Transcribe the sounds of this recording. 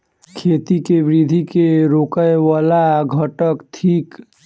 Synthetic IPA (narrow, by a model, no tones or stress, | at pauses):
kʰet̪ikebɾid̪ʱikeɾokəjwalaɡʱəʈəkt̪ʰiːk